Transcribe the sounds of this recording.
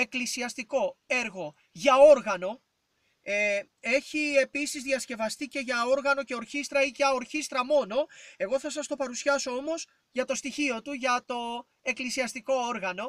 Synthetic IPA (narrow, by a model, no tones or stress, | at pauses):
e̞klisiɐst̪iko̞e̞ɾɣo̞ | ʝɐoɾɣɐno̞ | e | e̞çie̞pisizðiɐsce̞vɐst̪ice̞ʝɐo̞ɾɣɐnoce̞oɾçist̪ɾɐicɐo̞ɾçist̪ɾɐmo̞no̞e̞ɣo̞θɐsɐst̪o̞pɐɾusiɐso̞o̞mo̞s | ʝɐt̪o̞st̪içio̞t̪uʝɐt̪o̞ | e̞klisiɐst̪iko̞oɾɣɐno̞